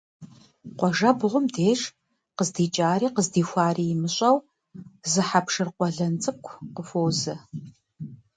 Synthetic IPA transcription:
qʷɔʒɐbʁʷʊmdeːʂ | qəzdiːt͡ʃʼaːɾiːqəzdiːxʷɑaːriːjɪmɨɕʼɐw | zɨħapʂɨrqʷɔɮɐnt͡sʼɨkʷʰqəfʷowzɨ

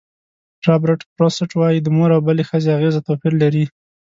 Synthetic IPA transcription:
ɾɑbɾɪʈpɾosɪʈwɑjid̪əmoɾawbəlexəzeaɣezat̪opiɾlaɾi

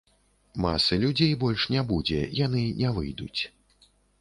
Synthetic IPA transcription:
ma̰sɐlʲud͡zʲejbɔlʲʂnʲabud͡zʲɛ̰janɨnʲɛvɨ̰jd̪ut͡sʲ

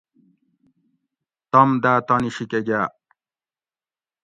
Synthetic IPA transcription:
t̪ɐmd̪aːt̪aniɕikeɡaː

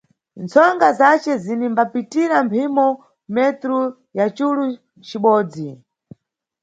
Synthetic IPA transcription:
nt͡sʰɔŋɡazat͡ʃɛzinimbapitiɾampʰimɔ | mɛt̪ɾu | jat͡ʃulu | t͡ʃiɓɔːd͡zi

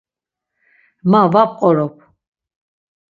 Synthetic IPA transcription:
mavapʼqʼɔɾɔpʰ

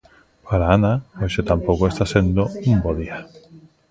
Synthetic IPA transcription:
paɾaanaoset̪ampo̞koe̞st̪ase̞nd̪oumboðia

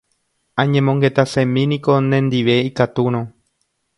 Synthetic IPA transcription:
ãɲẽmõŋɡe̞t̪asẽmĩnĩko̞nẽnd̪iʋe̞ikat̪uɾ̃õ

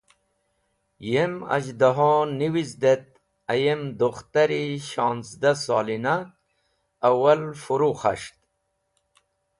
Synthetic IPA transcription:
jema̰d͡ʑd̪aɦoːniwizd̪et̪̚ | ɐjemd̪uχt̪aɾiɕɑːnzd̪asɑːlinaː | walfuɾuχa̰ʂt̪

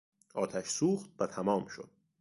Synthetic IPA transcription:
ʔɒːt̪ʰæʃsuːxt̪̚væt̪ʰæmɒːmʃo̞̰d̪̥̚

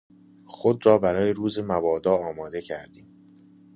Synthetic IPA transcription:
xod̪rɒːbæɾɒːjeɾuːzemævɒːd̪ɒːɒːmɒːd̪e̞cʰæɾd̪iːm

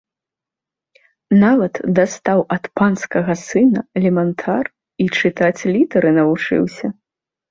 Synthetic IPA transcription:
navɐt̪d̪ast̪awɐt̪panskɐɣɐsɨnɐɛlʲɛmɛnt̪ʰar | it͡ʂɨt̪at͡sʲlʲit̪ɛɾɨnɐvut͡ʂɨ̰wsʲɐ

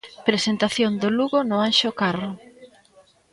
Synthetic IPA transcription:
pɾesent̪aθjond̪oluɣʊnʊanʃokaro

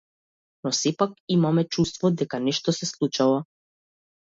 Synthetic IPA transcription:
nɔsɛpak̚imamɛt͡ʃust̪vɔd̪ɛkanɛʃt̪ɔsɛslˠut͡ʃalɔ

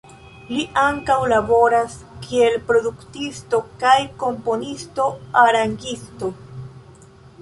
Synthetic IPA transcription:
liʔaŋkawlabo̞ɾaskʰie̞lpɾo̞duktisto̞kajko̞mpo̞nisto̞aɾaŋɡisto̞

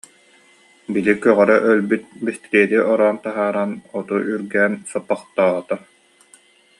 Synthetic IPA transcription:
bilikœʁœɾœʔœlbyt̪̚bist̪iɾiɛt̪iʔɔɾaːnt̪aɦaːɾanɔt̪uʔyɾɡɛːnsapːaχt̪aːʁt̪a

